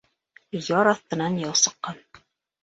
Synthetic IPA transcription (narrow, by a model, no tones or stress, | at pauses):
jɑɾɑθt̪ɤ̆nɑnjɑlˠsɤ̆qːɑn